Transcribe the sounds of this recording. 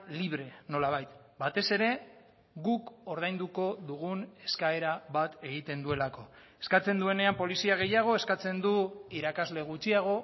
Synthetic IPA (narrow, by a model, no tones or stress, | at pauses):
liβ̞ɾe̞no̞laβ̞ajt̪ | bat̪e̞se̞ɾe̞ | ɣuko̞ɾðajnd̪uko̞ðuɣune̞skae̞ɾaβat̪e̞ɣ̞it̪e̞nd̪ue̞lako̞ | e̞̥skat͡se̞nd̪ue̞ne̞ampo̞lisiaɣe̞jaɣ̞o̞e̞skat͡se̞nd̪uiɾakazle̞ɣ̞ut͡ʃiaɣ̞o̞